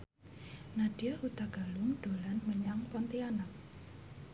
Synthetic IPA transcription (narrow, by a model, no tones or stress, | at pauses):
naɖ̥iaut̪aɡ̥alʊŋɖ̪̥o̤lanməɲaŋpɔnt̪ianak̚